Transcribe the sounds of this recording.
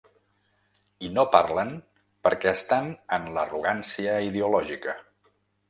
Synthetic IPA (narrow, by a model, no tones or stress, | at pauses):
inopaɾlən | pəɾkɛəst̪anənləruɣ̞ansiəiðeulɔʒikə